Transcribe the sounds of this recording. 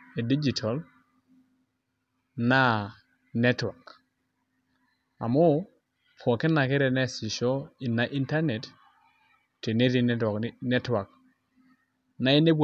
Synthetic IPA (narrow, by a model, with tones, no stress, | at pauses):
e˨di˦d͡ʒi˨tʰa˨l | na˦ | nɛ˦twa˨k | a̰˨mɔ˦ | pʰɔ˨kɛ˦na˨kɪ˦ɾɛ˨nɛ˦si˨ʃɔ˦i˨na˨ʔi˦nta˦nɛ˨t | ti˨ne˦ɾi˨ɔ˨knɛ˦twa˨k̚ | na˦e˦ne˦bʷ